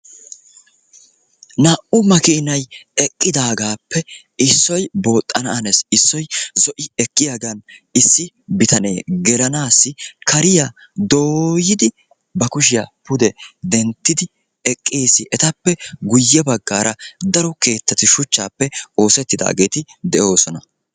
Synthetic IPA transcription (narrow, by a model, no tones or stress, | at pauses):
naːʔʊmɐkɪːnɐjɛkʼːɪd̪aːɡaːpːɛ | ɪsːɔjbo̞ːt̪ʼːɐnɐnesɪsːɔjzɔʔɪɛkʼːɪjaɡɐnɪsːɪ | bɪt̪ɐne̞̰ːɡɛlɐnaːsːɪkɐɾɪja | d̪oːjɪd̪ɪ | bɐkʊʃɪjapʊd̪ɛd̪ɛnt̪ːɪd̪ɪ | ɛkʼːiːsːɪʔɛt̪ɐpːɛɡʊjːɛbɐɡːaːɾɐd̪ɐɾɔke̞ːt̪ːɐt̪ɪʃʊt͡ʃːaːpːɛo̞ːsɛt̪ːɪd̪a̰ːɡe̞ːt̪ɪd̪ɛʔo̞ːsɔnɐ